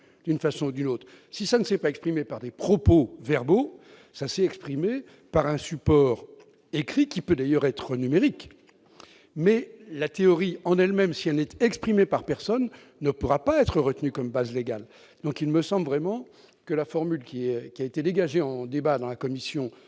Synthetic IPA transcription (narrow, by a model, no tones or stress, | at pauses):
d̪̥ynfasɔ̃ud̪ynot̪χ | sisanəsɛpaɛkspχimepaʁd̪epχɔpovɛʁbo | sasɛɛkspχime | paʁɛ̃sypɔːʁ | ekχikʲipød̪ajœʁɛt̪χənymeʁik | mɛlat̪eɔʁiɑ̃nɛlmɛmsiɛlnɛt̪ɛkspχimepaʁpɛʁsɔnː | əpuʁapaɛt̪χəʁət̪nykɔmbazleɡal | d̪̥ɔ̃kilməsɑ̃blvʁɛmɑ̃ | kəlafɔʁmylkʲiɛkʲiaet̪ed̪eɡaʒeɑ̃d̪ebad̪ɑ̃lakɔmisjɔ̃